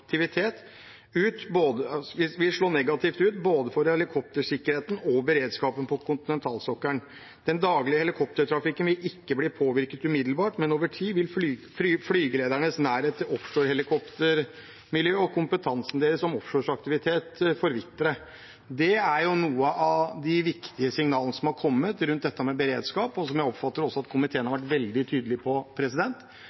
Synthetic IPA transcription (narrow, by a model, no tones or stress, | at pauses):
k̚t̪ʰɪʋɪt̪ʰeːt̪ | ʉːt̪boːd̪əʋɪʋɪlʂɭoːnɛɡɑt̪ʰɪft̪ʉːt̪boːd̪əfɔɾhɛlɪkʰɔp̚t̪əʂɪkːəɾheːt̪n̩ɔbəɾeːd̪skɑːpənpʰɔkʰʊnt̪ɪnɛnt̪ʰɑːlsɔkːəɳ | d̪̥ɛnd̪ɑːɡlɪəhɛlɪkʰɔp̚t̪əʈ̪ʰɾɑfɪkːənʋɪlɪkːəbliːpʰoːʋɪɾkət̪ʉːmɪd̪l̩bɑːʈmɛnoːʋəʈʰiːʋɪlfyːfyflyːɡəleːd̪æɳəsnæːɾheːt̪əɔfʂoːɾhɛlɪkʰɔpt̪əɾ | mɪljøːɔkʰʊmpət̪ʰɑnsn̩d̪eːɾəsɔmɔfʂoːʂɑk̚t̪ɪʋɪt̪ʰeːt̪fɔɾʋɪt̪ːəɾə | d̪ɛæɾjʊnuːəəʔɑd̪ɪʋɪkt̪ɪəsɪŋnɑːlənəsɔmhɑɾkʰɔmːət̪ɾʉnt̪̚d̪ɛt̪ːəmɛbəɾeːd̪skɑːpɔsɔmjæɪɔpfɑt̪ːəɾɔsːɔɑt̪kʰʊmɪt̪ʰeːnhɑɾʋæʈ̬ʋɛld̪ɪt̪ʰyːd̪əlɪpʰɔpʰɾɛsɪd̪ɛnt̪